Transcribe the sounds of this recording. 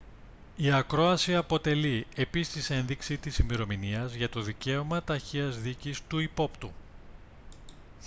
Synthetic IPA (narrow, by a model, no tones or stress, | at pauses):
iɐkɾo̞ɐsiɐpo̞t̪e̞lie̞pist̪ise̞nðiksit̪isimeɾo̞miniɐzʝɐt̪o̞ðice̞omɐt̪ɐçiɐzðicist̪uipo̞pt̪u